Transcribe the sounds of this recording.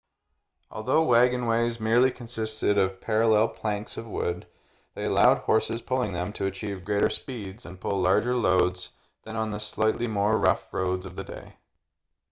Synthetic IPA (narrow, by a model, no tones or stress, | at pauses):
ʔɔ̰lˠðoʊwæɡɨ̃nweɪzmɪɹlˠikʰɨ̃n̩sɪstɨɾʌv̥pʰɛɹəlɛlˠpʰl̥æ̃ŋksʌvwʊ̰d̪̚ | ðeɪɨlaʊd̚hɔɹsɨz̥pʰʊlˠɪ̃ŋðɨ̃mtʰɨɨt͡ʃʰivɡɹeɪɾə˞spidzɨ̃npʰʊlɑɹd͡ʒə˞loʊdz̥ | ðɨ̃nə̃nðəslaɪʔlimɔɹːʌ̰fɹoʊdzʌvðɨdḛɪ